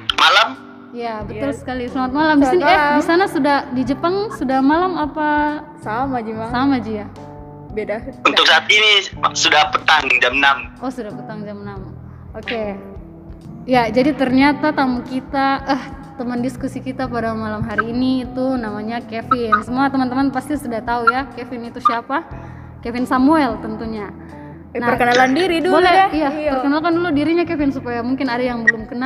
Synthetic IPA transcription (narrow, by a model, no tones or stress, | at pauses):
malam | ijabət̪ʊlsə̥kalisəlamat̪̚malamdisɪnɛdisanasudahdid͡ʒəpaŋsudahmalamapa | samad͡ʒisamad͡ʒija | bedaunt̪ʊk̚sat̪inisudahpət̪aŋd͡ʒamnamɔhsudahpət̪aŋd͡ʒamnam | oke | jad͡ʒadit̪ərɲat̪at̪amukit̪aʔəht̪əməndiskusikit̪apadamalamɦaɾiːniːt̪unamaɲakefɪnsəmuat̪əmənt̪əmanpast̪isudaht̪aujakefɪnit̪usiapa | kefɪnsamuɛlt̪ənt̪uɲa | naərkənalandiɾidubolɛijapərkənalkanduludiɾiɲakefɪnsupajamuŋkɪnadajaŋbəlʊmkəna